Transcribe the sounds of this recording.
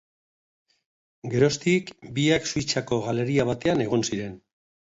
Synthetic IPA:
ɡe̞ɾo̞st̪ikbiaksuit͡sako̞ɣ̞ale̞ɾiaβ̞at̪e̞ane̞ɣ̞o̞nsiɾe̞n

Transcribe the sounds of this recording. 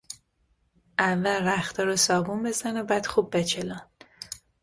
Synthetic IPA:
ʔævːælræxt̪ʰɒɾosɒːɡumbe̞zænobæːd̪̥xub̚ːet͡ʃʰelɒn

